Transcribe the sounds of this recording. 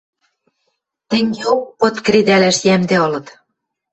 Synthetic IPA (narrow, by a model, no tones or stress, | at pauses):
t̪ɘ̆ŋɡeokːot̪kɾid̪ælæʃjæmd̪eɤ̆lɤ̆t̪